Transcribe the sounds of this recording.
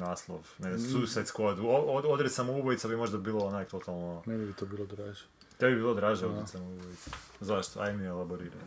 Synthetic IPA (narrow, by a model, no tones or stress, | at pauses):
naːslˠo̰ʋnɛsusat̪skod̪uoood̪ɾɛt̪samoubojit̪sabimo̞ʒd̪abilˠoonakt̪o̞t̪ʰalˠnonɛbibit̪obilˠod̪ɾaʒɛ | t̪ebibilˠod̪ɾaʒɛod̪ɾɛt̪samouboit̪sa | zaʃt̪oa̰j̪mielˠaboɾiɾa̰j